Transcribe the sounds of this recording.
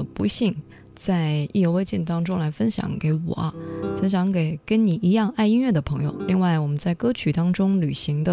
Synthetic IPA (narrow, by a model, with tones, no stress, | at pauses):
pu˧˥ɕi˥˩ŋ | t͡sa˥˧ɪi˥˩jo˧˥ʊwe˥ɪt͡ɕi˥˩nt̪ɑ˥ŋʈ͡ʂʊ˥ŋla˧˥ɪfə˥nɕjɑ̰˧˥ŋke˧˥ɪwɔ̰˨˩ɐ˦fə˥nɕ̬jɑ˧˥ŋke˨˩ɪkə˥nni˨˩i˧˥jɑ˥˧ŋa˥˩ɪi˥nɥɛ˥˩d̪ə˩pʰɤ˧˥ŋjo̰˨˧ʊli˥˧ŋwa˥˩ɪwɔ˨˩mə˦nt͡sa˥˩ɪkɤ˥t͡ɕʰy˨˩t̪ɑ˥ŋʈ͡ʂʊ˥ŋly˨˩ɕi˧˥ŋd̪ə˧